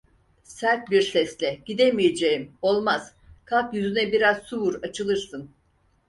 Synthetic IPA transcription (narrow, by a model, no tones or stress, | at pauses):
sæɾt̪̚biɾsɛslʲɛɟ̥id̪emije̞d͡ʒejimo̞lˠmaz̥ | kʰalˠkjyzynɛbiɾaz̥suvuɾat͡ʃʰɯlˠɯɾsɯn